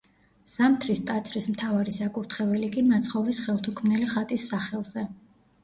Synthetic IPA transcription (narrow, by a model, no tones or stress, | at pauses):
z̥amt̪ʰɾist̪ʼat̪sʰʼɾismt̪ʰavaɾisakʼuɾt̪ʰχɛvɛlikʼimat̪sʰχɔvɾisχɛlˠt̪ʰukʰmnɛliχat̪ʼisːaχɛlˠz̥ɛ